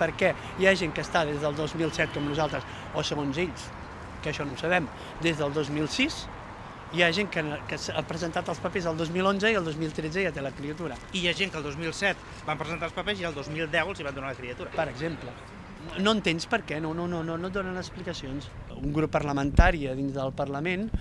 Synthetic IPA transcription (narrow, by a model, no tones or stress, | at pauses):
pəɾkɛ | jaʒeŋkəst̪aðezðəːlˠd̪ozmilˠsɛt̪̚kɔmnuzalˠt̪ɾəs | osəɣonzeʎs | kəʃɔnowsəβ̞ɛm | d̪ezðəlˠd̪ozmilˠsis | iaʒeŋkəkəsapɾəzənt̪at̪əlˠspəpezəlˠd̪ozmilˠonzəiəlˠd̪ozmilˠt̪ɾed͡zəjat̪eləkɾiət̪uɾəijaʒeŋkəlˠd̪ozmilˠsɛt̪ | bampɾəzənt̪alˠspəpezialˠd̪ozmilˠd̪ɛwəlˠziβand̪unaləkɾiət̪uɾəpəɾəɡzemplə | noənt̪enspəɾkɛnononononot̪̚d̪onənəsplikəsionsuŋɡɾupːərləmənt̪aɾiəðinzðəlˠpərləmen